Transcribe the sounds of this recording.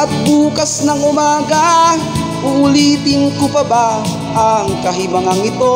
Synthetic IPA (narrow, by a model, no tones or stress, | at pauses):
at̪̚bukasnaŋomaɡa | ulit̪iŋkupaba | aŋkaɦimaŋaŋit̪o